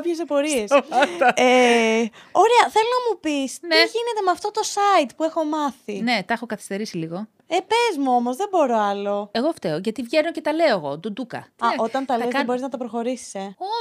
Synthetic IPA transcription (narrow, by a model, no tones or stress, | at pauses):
pçes̬epo̞ɾiesɐɐe | oɾeɐθe̞lonɐmupisneʝinet̪e̞mɐft̪o̞t̪o̞sɐit̪pue̞xo̞mɐθine̞t̪ɐxokɐθist̪e̞ɾisiliɣo̞ | epezmuo̞mo̞zðebo̞ɾo̞ɐlo̞e̞ɣo̞ft̪eoʝɐt̪ivʝenoce̞t̪ɐle̞oeɣo̞d̪od̪ukɐ̰t̪ɐʔot̪ɐnt̪ɐlɐezɐðebo̞ɾiznɐt̪ɐpɾoxo̞ɾisi̥seo